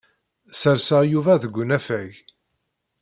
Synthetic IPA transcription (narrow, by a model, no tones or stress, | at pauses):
səɾsəʁjuvæðəɡʷːʊnæfæʝ